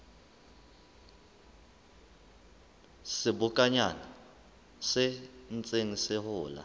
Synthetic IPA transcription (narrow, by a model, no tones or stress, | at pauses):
sɪbʊkʼaɲana | sɛnt͡sʼeŋisɪhʊːla̰